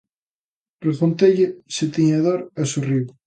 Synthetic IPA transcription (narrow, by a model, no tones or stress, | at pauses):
refont̪eʎeset̪iɲaðoɾasuriβ